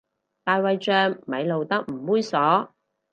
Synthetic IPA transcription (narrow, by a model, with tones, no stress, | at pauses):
t̪aː˨˧jwɐ˨˧jt͡ʃœː˧ŋmɐ˨˧jlo˨wt̪ɐ˥k̚m̩˨˩wuː˥jsɔː˨˥